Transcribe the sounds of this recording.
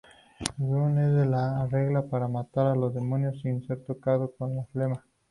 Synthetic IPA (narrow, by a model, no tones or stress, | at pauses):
zuned̪elaːreɣlapaɾamat̪aɾalod̪emunjosiːnseɾt̪okaðokonlaflema